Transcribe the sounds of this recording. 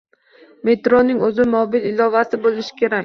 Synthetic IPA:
me̞t̪ɾonɪŋɵzɪmɒbɪlɪlɒvasɪbolɪʃɪ̥kʲʰe̞ɾakʲ

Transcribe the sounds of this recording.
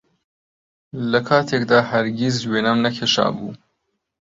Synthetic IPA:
ləkʰɑt̪ʰek̚d̪ɑhaɾɡizwenamnakʰeʃɑ̰ːbṵ

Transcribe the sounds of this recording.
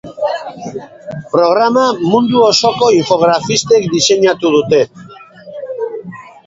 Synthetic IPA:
pɾo̞ɣ̞ɾamamund̪uo̞so̞ko̞iɱfo̞ɣ̞ɾafist̪e̞kd̪ise̞ɲat̪uð̞ut̪e̞

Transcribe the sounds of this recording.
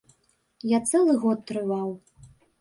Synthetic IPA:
jat̪sɛlˠɨɣɔt̪̚ːɾɨvaw

